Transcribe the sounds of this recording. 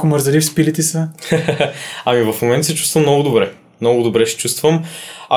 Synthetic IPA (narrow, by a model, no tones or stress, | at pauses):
kʊməɾzɐlifspilit̪ɛsə | ɐmivəfmomɛnt̪əsɛt͡ʃust̪vəmnɔɡʊd̪obɾɛ | mnɔɡʊd̪obɾɛʃɛ̥t͡ʃust̪vəmɐ